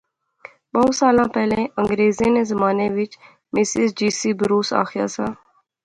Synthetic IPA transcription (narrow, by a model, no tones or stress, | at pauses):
bəsaːlãːpɛːlẽʔə̃ŋɡɾeːzeːneːzəmaːneːʋɪt͡ʃ | mɪsɪzd͡ʒiːsiːbəɾuːsa̰ːxɪja̰ːsaː